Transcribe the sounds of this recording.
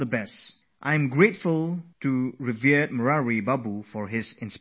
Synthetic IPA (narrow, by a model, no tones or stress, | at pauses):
dəbɛst | ʔãj̃mɡɹetfultuɹiviət̚məɹaɹibabufɔɹɦɪsɪ̃ns